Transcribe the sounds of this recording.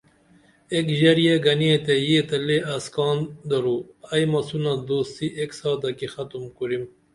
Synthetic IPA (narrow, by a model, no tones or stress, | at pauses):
ekʑɐɾijeɡɐniet̪ejet̪ɐleɐskɑːnd̪ɐɾuɐjmɐsunad̪oːst̪iʔeksɑːd̪ɐkixɐt̪umkuɾim